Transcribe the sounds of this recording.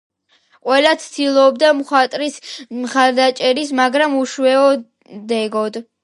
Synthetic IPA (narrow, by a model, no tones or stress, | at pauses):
qʼwɛlat̪sʰd̪̥ilˠɔːb̚d̪amχwat̪ʼɾismχaɾd̪at͡ʃʼɛɾismaɡɾamuʃwɛɔ | d̪ɛɡɔd̪